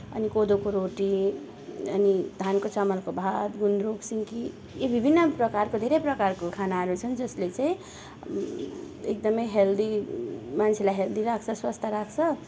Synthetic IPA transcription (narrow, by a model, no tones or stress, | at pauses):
ʌ̰nikod̪okoɾoʈi | ʌ̰nid̪ʱankot͡sʌmʌlkobʱad̪ɡund̪ɾoksiŋki | jebʱibʱinːʌprʌkarkod̪ʱeɾejprʌkarkokʰanaɦʌɾut͡sʰʌnd͡zʌslet͡saĩ | ḛk̚d̪ʌmʌjɦeld̪ʱimant͡sʰelajɦeld̪ʱiɾak̚ʰt͡sʰʌswʌst̪ʰaɾakʰt͡sʰʌ